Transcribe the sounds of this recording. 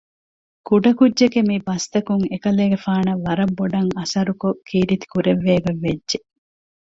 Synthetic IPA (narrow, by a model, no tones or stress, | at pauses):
kuɖɐkudːʒekemibɐst̪ɐkuŋekɐleːɡefaːnɐʋːɐɾɐbːoɖɐŋɐsɐɾukokiːɾit̪i̥kuɾeʋːeːɡɐʋːedːʒe